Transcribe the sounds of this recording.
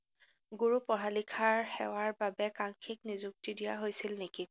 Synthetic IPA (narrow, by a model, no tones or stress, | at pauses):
ɡuɹupɔɦalikʰaɹxɛwaɹbabɛkaŋkʰiknizuk̚tidijaɦojsilneki